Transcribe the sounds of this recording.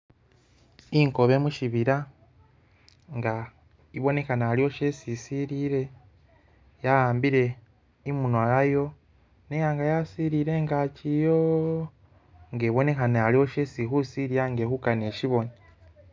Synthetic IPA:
iŋkoβe̞ːmuʃiβiɾa | ŋɡa | iβo̞ne̞kanaalio̞ʃe̞ːsisiɾiːɾe̞ | jaɣaːmbiɾe̞ | imunwajajo̞ | nejaŋɡajasiːɾiːɾe̞ŋɡacijo | ŋɡeːβo̞ne̞kanealio̞ʃe̞ːsiɦusiɾijaŋɡeːhukane̞ːʃiβo̞ni

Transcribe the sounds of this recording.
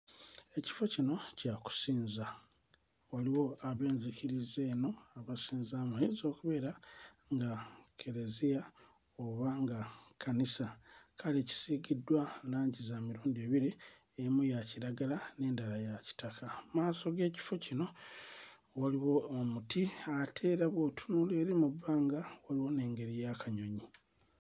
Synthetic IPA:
e̞ci̥fo̞cino̞caku̥siːnza | waliwo̞aβe̞ːnzikiɾizeːno̞aβasiːnzaːmaiːzo̞ːkuβe̞ːɾa | ŋɡakʰe̞ɾezija | o̞βaŋɡakʰanisakʰaleci̥siɡidːwalaːɲɟizaːmiɾuːndieːβiɾi | emujaciɾaɡalane̞ːndalajaci̥takʰamaːso̞ɡe̞ːci̥fo̞cino̞ | waliwo̞ːmutiatʰe̞ːɾaβotʰu̥nuleːɾimubːaːŋɡawaliwo̞ne̞ːŋɡe̞ɾijakaɲo̞ɲi

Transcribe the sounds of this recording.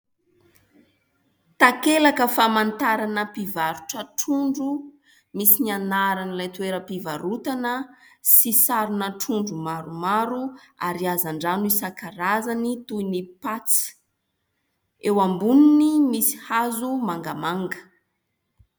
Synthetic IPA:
t̪akelakəfamant̪aɾanəpivaɾuʈ͡ʂəʈ͡ʂuɳɖ͡ʐu | misinianaɾanilajt̪ueɾəpivaɾut̪anəsisaɾunəʈ͡ʂuɳɖ͡ʐumaɾumaɾua̰ɾiazaɳɖ͡ʐanuisakaɾazanit̪uinipat͡si̥ | ewambununimisi̥hazumaŋɡamaŋɡə̥

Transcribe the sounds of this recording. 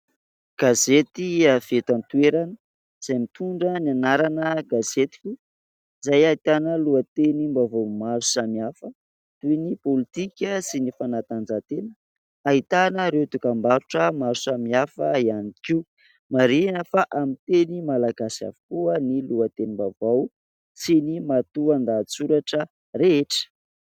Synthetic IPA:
ɡ̥azet̪iavet̪ant̪ueɾanə | z̥ajmit̪uɳɖ͡ʐənianaɾanəɡazet̪i̥kʲi | zajait̪anəluət̪enimbavomaɾu̥samiafə | t̪uinipolit̪ikʲəsinifanat̪and͡zat̪enə | ait̪anəɾewt̪ukambaɾuʈ͡ʂəmaɾusamiafəianikiw | maɾinəfaʔamit̪enimalaɡasia̰vu̥kuəniluət̪enimbavaw | sinimat̪uand̪aːt͡suɾaʈ͡ʂə | reeʈ͡ʂə̥

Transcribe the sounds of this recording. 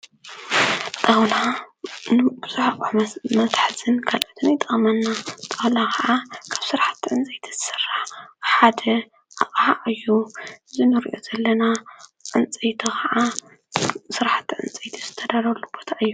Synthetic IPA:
t̪ʼɐwlanbɨz̥uħaʔʼħmɐt̪ħzʰɨnkʰalʔot̪ʰɨnjt̪ʼɐχʼmɐnːat̪ʼɐwlakʰaʕakʰaβsɨɾħḁt̪ʰːʕɨnt͡sʼɐjt̪ʰi̥z̥ɨ̥sɨrːaħħad̪ɐ | ʔaχʼaʔɨjːuɨzinɨɾiʔo̞̰zɐlːɐnaʕɨnt͡sʼejt̪ʰixʰɐʕa | sɨɾħḁt̪ːiʕɨ̰nt͡sʼɐjt̪ʰiz̥ɨt̪ʰɐd̪aɾɐlːubot̪ʰaʔɨjːu

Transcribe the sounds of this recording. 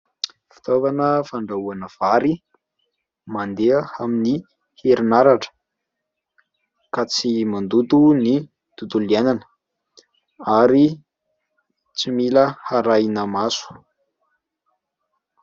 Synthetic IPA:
fi̥t̪ovanəfaɳɖ͡ʐauanəv̥aɾi | mand̪eəamini | heɾinaɾaʈ͡ʂə̥ | kat͡simand̪ut̪uni | d̪̥ut̪ulananə̥ | aɾi | t͡similəhaɾajnəmasu̥

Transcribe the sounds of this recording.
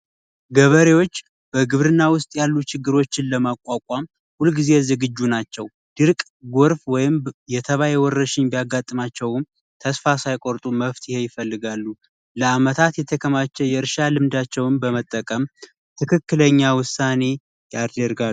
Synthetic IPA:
ɡəβəɾewo̞t͡ʃː | b̥əɡɨβɾɨnːawʊst̪ʼjalːut͡ʃʰɪɡːɨɾo̞t͡ʃːɪnləmakʼwakʼam | hulɡize̞zɨɡɨd͡ʒːunat͡ʃːɛw | d̪̥ɨɾkʼ | ɡoɾfwɔjɪmjɛt̪ʰəβajewɔrːəʃɪɲbijaɡat̪ʼːɨmat͡ʃːɛwɨm | t̪ʰəsfasajkʼoɾt̪ʼuməft̪ʰjɪhe̞jɪfəlːɨɡalːu | ləamət̪ʰat̪jɛt̪ʰəkʰəmat͡ʃːɛjɛɨɾʃalɨmd̪at͡ʃːɛwɨnbəmət̪ʼːəkʼəm | t̪ʰɨkʰɨkːɨləɲːawʊsːane̞ | jad̪əɾɡa

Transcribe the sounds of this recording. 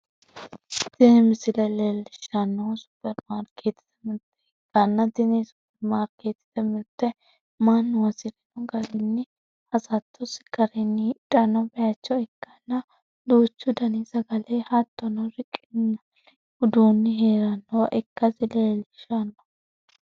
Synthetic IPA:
t̪ɪnɪmɪsɪlɛlelɪʃɐnːosʊ̥pːɛɾmaːɾkʰeːt̪ːɪ̥t̪ɐmɪt̪ːɛɛkːɐnːɐt̪ɪnisʊ̥pːɛɾmaːɾkeːt̪ːɪ̥t̪ɐmɪt̪ːɛ | manːʊwɐsɪɾɛnɔɡɐɾɪnːɪ | hɐsɐt̪ʰːɔsɪ̥ɡ̥ɐɾɪnːɪᶑʼɐnɐbɛjat͡ʃːɔɛkːɐnːɐ | d̪uːt͡ʃːʊd̪ɐnisɐɡɐlehat̪ːɔnɔɾɪkʼːɪnːɐ | ʊd̪uːnːɪɦeːɾɐnːoʔɛkːɐtɪlelɪʃanːɐ̥

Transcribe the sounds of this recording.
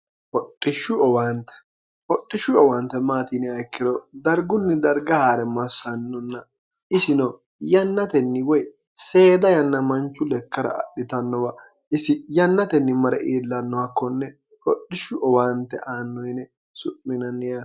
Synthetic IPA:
pɔtʼːɪʃːʊɔwaːnt̪ɛ̥ | hɔtʼːɪʃʊɔwaːnt̪ːɛmaːt̪inɛɐjkːɪd̪ɔd̪ɐɾɡʊnːɪd̪ɐɾɡɐhaːɾɛmɐsːɐnːɔnːɐ | ɪsɪnɔ | jɐnːɐt̪ɛnːɪwɔj | se̞ːd̪ɐjɐnːɐmɐnt͡ʃːʊlɛkːɐɾɐ̰ɐ̰ɗːɪt̪ɐnːɔwɐ | ɪsɪjɐnːɐt̪ɛnːɪmɐɾɛʔeːlːɐnːɔwakːɔnːɛ | hɔɗɪʃʊʔɔwaːnt̪ːɛ̰ʔaːnːɔjnɛ | sʊʔmɪnɐnːɪja

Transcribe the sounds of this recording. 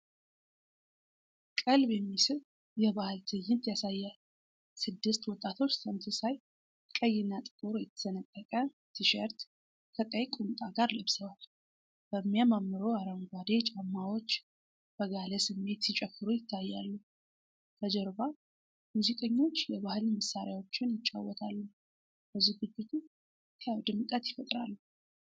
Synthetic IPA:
kʼɨlbjɛmːisɨɾ | jɛβahɨlt̪ʰɨjːɪnt̪jasajːa | sɨd̪ːɨst̪wɔt̪ʼat̪ʰo̞t͡ʃːsʰəmsɨsaj | kʼəjːɪnːat̪ʼɨ̥kʼoɾojɛt̪ʰːə̥sənəkʼːəkʼə | t̪ʰɨʃɛɾt̪ | kʰək̪ʼəjkʼumt̪ʼaɡaɾlɨβsəwal | b̥əmːjamamːɨɾoaɾəŋɡʷad̪et͡ʃʼamːawo̞t͡ʃː | b̥əɡalesɨmːe̞t̪sit͡ʃʼɛfːɨɾujɪt̪ʰːajːalːu | kʰəd͡ʒɛɾba | muzikʼəɲːo̞t͡ʃːjɛβahɨlməsaɾɪjawo̞t͡ʃːɪnjɪt͡ʃʼːa̰wːɔt̪ʰalːu | b̥əziɡɨt͡ʃʼːɪt̪ʰu | kʰəjawd̪ɨmkʼət̪jɪfət̪ʼɾa̰lːu

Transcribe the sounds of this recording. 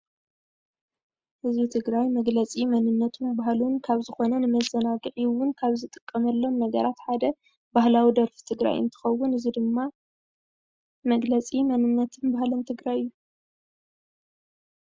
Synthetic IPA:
hɨzbit̪ʰɨɡɾajmɐɡlɐt͡sʼimɐnɨnːɐt̪ʰumbaɦlunkʰaβzɨxo̞nɐnɨmɐzɐnaɡɨʔiwʊnkʰaβzɨt̪ʼɨkʼːɐmɐlːo̞mnɐɡɐɾat̪ħad̪ɐ | b̥ahlawid̪ɐɾfi̥t̪ʰɨɡɾa̰jɨ̰nt̪ʰɨ̥xɐwːʊnɨzid̪ɨmːa | mɐɡlɐt͡sʼimɐnɨnːɐt̪ʰɨnbahlɨnt̪ʰɨɡɾajɨjːu

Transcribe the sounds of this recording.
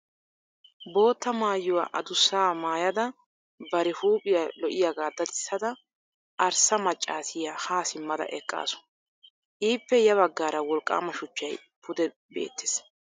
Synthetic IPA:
bo̞ːt̪ːɐmaːjːʊwa̰ʔɐ̰d̪ʊsːaːmaːjɐd̪ɐ | bɐɾɛhuːpʼɪjɐlɔʔɪjaɡaːd̪ːɐt̪ɪsːɐd̪ɐ | ʔɐɾsɐmɐt͡ʃʼːaːsɪjahaːsɪmːɐd̪ɐ̰ʔɛkʼːa̰ːsʊ̥ | ʔiːpːɛjɐβɐɡːaːɾɐwɔlkʼːa̰ːmːɐʃʊt͡ʃːɐj | pʰʊd̪ɛ | be̞̰ːt̪ːɪ̥s

